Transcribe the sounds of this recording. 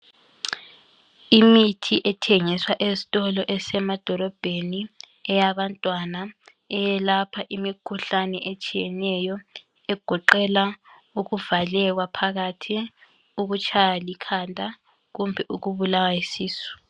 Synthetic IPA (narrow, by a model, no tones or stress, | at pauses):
imitʰiʔɛtʰeŋiswaʔezi̥tʼɔlɔʔɛsɛmad̥ʱɔlɔb̥ʱeni | ɛjaβantʼwana | ɛjɛlapʰaʔimikʰuɬanɛʔɛt͡ʃʼijɛnɛjɔ | ɛɡ̥ʱɔǃɛla | uɣuvalɛɣwapʰaɣatʰi | uɣut͡ʃʼajalikʰandʱa | ɣumbʱɛʔuɣuβulawaisiːsu̥